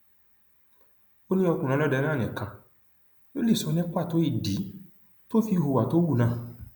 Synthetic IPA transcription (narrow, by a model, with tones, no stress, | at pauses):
o˦nĩ˦ɔ˧kũ˨nã˨˧˦ɔ˦dɛ˧nã˦˨ɛ̃˨kã˨ | jo˦le˦˨sɔ˨˧nɛ̃˦k͡pa˦˨to˨˦i˦˨di˨˦ | to˦fi˧ɦo˧˨wa˨to˦wu˦˨nã˧˦˨